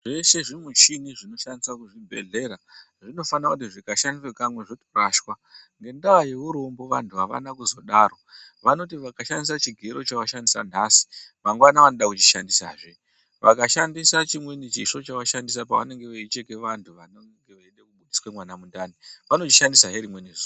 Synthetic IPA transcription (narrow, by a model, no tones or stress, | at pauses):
ʐe̞ʃe̞ʐimuʃiniʐino̞ʃanisakuʐibʱe̞̰ɮe̞ːɾa | ʐino̞fanakutiʐikaʃandiswekamwe̞ʐoto̥raʃwa | ŋɡe̞ndaaje̞ʋuɾo̞mbo̞ʋantʰuɦaʋa̰nakuzo̞ɗaːɾo | ʋano̞tiʋakaʃandisat͡ʃiɡʱeɾo̞t͡ʃaʋaʃandisanasi̥ʋaŋɡwanaʋanoɗakut͡ʃi̥ʃandisaːʐe | ʋʔakaʃandisat͡ʃimwenit͡ʃiʂo̞t͡ʃaʋaʃandis̬apaʋa̰ne̞ŋɡe̞ʋeit͡ʃekeʋantʰuʋano | ŋɡeʋeiɗekuɓuɗiswemwanamundaniʋano̞t͡ʃiʃandisaɦeɾimwe̞neʐuː